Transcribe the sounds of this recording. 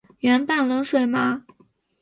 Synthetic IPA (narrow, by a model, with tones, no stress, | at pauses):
ɥɛ˧˥npa˥˩nlɤ˧˥ŋʂwe˨˩ɪma˧˥